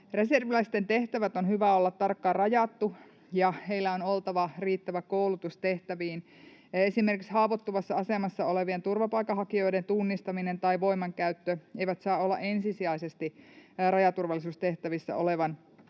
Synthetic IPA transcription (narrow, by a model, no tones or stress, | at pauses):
re̞serʋilæist̪e̞nt̪e̞ht̪æʋæt̪onhyʋæolːɑt̪ːɑrkːɑːrɑjɑt̪ːu | jɑhe̞ilːæo̞nolt̪ɑʋɑriːt̪ːæʋækoulut̪ust̪e̞ht̪æʋiːn | e̞sime̞rkikshɑːʋot̪ːuʋɑsːɑɑsemɑsːɑoleʋient̪urʋɑpɑikːɑɦɑkio̞jdent̪unːist̪ɑminent̪ɑiʋo̞imɑŋkæyt̪ːøʔe̞jʋæt̪sɑːolːɑ̰ʔe̞nsisiɑisest̪irɑjɑt̪urʋɑlːˑisuːst̪e̞ht̪æʋisːæ̰o̞leʋɑn